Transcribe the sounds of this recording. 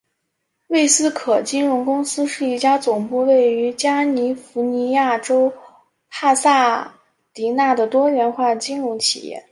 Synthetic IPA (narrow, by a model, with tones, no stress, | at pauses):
we˥˩ɪsɹ̩˥kʰɤ˨˩t͡ɕi˥nɻʊ˧˥ŋkʊ˥ŋsɹ̩˥ʂɻ̩˥˧i˥˩t͡ɕja˥t͡sʊ˨˩ŋpu˥˧we˥˩ɪy˧˥t͡ɕja˥ni˧˥fu˧˥ni˧˥ja˥˩ʈ͡ʂo˥ʊ | pʰa˥˧sa˥˩ | t̪i˧˥na˥˩d̪ə˩t̪wɔ˥ɥɛ˧˥nxwa˥˩t͡ɕi˥nɻʊ˧˥ŋt͡ɕʰi̥̰˨˩jɛ̰˥˩